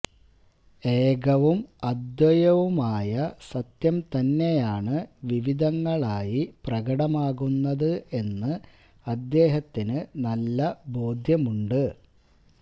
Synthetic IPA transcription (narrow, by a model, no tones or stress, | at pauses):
eːɡɐʋumɐd̪jɐjɐʋumaːjɐsɐt̪jɐmt̪ɐnːe̞jaːɳɨʋiʋid̪ɐŋːɐɭaːjiprɐɣɐɽɐmaːɣunːɐðɨe̞nːɨ | ɐd̪ːe̞ːɦɐt̪ːinɨnɐlːɐbo̞ːd̪ʱjɐmuɳɖɨ